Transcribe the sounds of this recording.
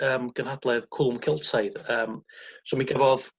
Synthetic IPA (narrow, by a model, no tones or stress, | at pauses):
əːmɡ̥ənhadlˠɛðkʰʊlˠʊmkʰɪlˠtʰajðəːmsomiɡəvɔð